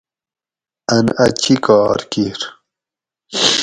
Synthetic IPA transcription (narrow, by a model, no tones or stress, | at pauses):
ɐnɐt͡ɕʰikɑːɾkiɾ